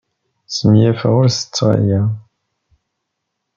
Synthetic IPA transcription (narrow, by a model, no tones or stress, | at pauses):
səmjæfə̰ʁʊɾsə̥t͡sːʁa̰jæ